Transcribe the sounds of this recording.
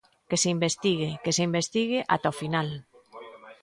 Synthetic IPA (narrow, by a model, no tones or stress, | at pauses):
keseimbest̪iɣekeseimbest̪iɣeʔa̰t̪aofinal